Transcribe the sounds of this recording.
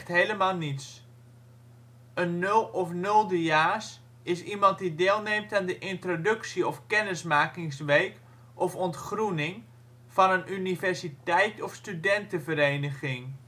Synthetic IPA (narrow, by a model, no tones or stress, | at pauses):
tɦejləmaːlˠnits | ənːɵlˠɔfnɵlˠdəjaːs | ɪsimɑnt̚dideːlˠneːmtaːndəʔɪntrodɵksiɔfkɛnəsmaːkɪŋsʋejk | ʔɔfɔntχrunɪŋ | fɑnənʔynivɛrsitɛjtɔfstydɛntəvəɾeːnəɣɪŋ